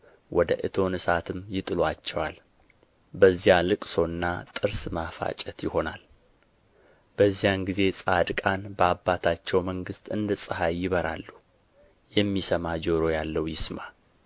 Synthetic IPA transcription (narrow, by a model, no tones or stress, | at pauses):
wʔɔd̪əʔɨt̪ʰo̞nɨsat̪ʰɨmjɪt̪ʼɨlwat͡ʃːɛwal | bəzːijalɨkʼso̞nːat̪ʼɨɾsmafa̰t͡ʃʼɛt̪jɪho̞nal | b̥əzːijanɡize̞sʼad̪kʼanbəabːat̪ʰat͡ʃːɛwməŋɡɨst̪ʰʼɨ̰nd̪ɨsʼɨhajjɪβəɾa̰lːu | jɛmːisəmad͡ʒoɾo̞jalːəwjɪsma